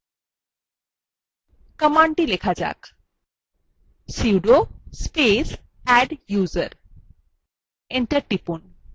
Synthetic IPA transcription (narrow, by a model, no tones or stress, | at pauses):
kəmaɳʈilekʰad͡ʑa̰k | siwɖospes | ɛɖjuːzəɾ | eɳʈəɾʈipun